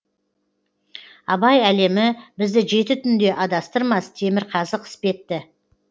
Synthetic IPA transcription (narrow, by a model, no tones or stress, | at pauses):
ɑbɑjæle̞mɪbɪzd̪ɪʒe̞t̪ɪt̪ʰʏnd̪e̞ʔɑd̪ɑst̪əɾmɑst̪ʰe̞mɪɾqʰɑzəqɪ̥spe̞t̪ːɪ